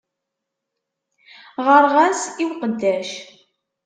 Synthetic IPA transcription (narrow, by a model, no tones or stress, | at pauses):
ʁəɾʁæsiwqənd̪æʃ